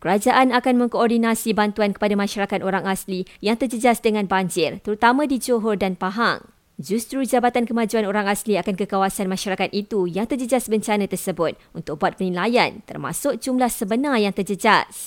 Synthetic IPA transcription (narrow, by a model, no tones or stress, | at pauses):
kəɾad͡ʒaʔanakanmə̃ŋkoɔrdinasibant̪uankə̥padamãʃaɾakat̪̚oɾaŋaslijaŋt̪ərd͡ʒəd͡ʒasdəŋãnbaɲd͡ʒɪrt̪əɾut̪amə̃did͡ʒoɦɔrdanpaɦa̰ŋ | d͡ʒust̪ɾud͡ʒabat̪ankəmãd͡ʒuanoɾaŋasliakankəkawasanmãʃaɾakat̪̚ʔit̪ujaŋt̪ərd͡ʒəd͡ʒasbəɲt͡ʃanãt̪ərsəbʊt̪̚unt̪ʊk̚buat̪̚pənĩlajant̪ə̰rma̰sʊk̚d͡ʒumlahsəbənãjaŋt̪ərd͡ʒəd͡ʒas